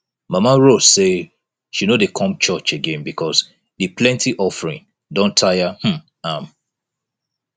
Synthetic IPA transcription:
mamaɹosse | ʃiunodekʰɔ̃mt͡ʃɔt͡ʃeɡẽnbikʰɔs | diplɛ̃ntʰiʔɔfɹĩn | dɔ̃ntʰajahm̩ | ãm

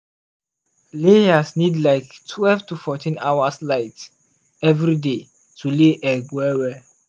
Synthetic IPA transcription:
lejasnidlaɪktʰwɛlvtufɔtĩnawaslaɪt | ɛvɹide | tʰuleʔɛɡwɛwɛ

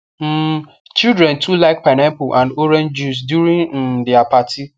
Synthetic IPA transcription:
m̩ | t͡ʃildɾɛ̃ntʰulaɪk̚panãmpoʔãndoɾɛ̃nd͡ʒus̬djuɾĩŋn̩dɪapati

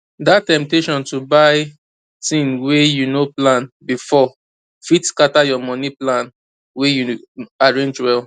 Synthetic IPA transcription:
dattɛ̃mp̚teʃɔ̃ntubaɪ | tĩmwejunoplãnbifɔ | fitskatajɔmɔniplãn | weju | aɹẽnd͡ʒwɛl

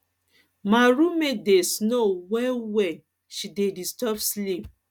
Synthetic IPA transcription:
maɾumedesnowɛwɛ | ʃidedistɔbslip̚

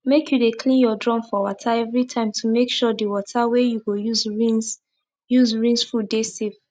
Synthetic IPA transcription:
mekʰjudekʰlĩnjɔdɹɔ̃mfɔwɔtʰaɛvɹitʰãɪ̃mtʰumekʃɔdiwɔtʰawejuɡojuzɹĩns | juzɹĩnsfudesiv

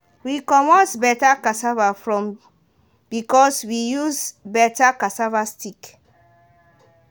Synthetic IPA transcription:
wikɔ̃mɔ̃sbɛtakasavafɹɔ̃m | b̥ikɔswijuzbɛtakasavastik

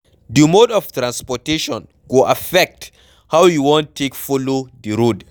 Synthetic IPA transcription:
dumodɔftɾãnspɔteʃɔ̃n | ɡoʔafɛk̚t | hawjuwɔ̃ntʰːekfolodiɾud

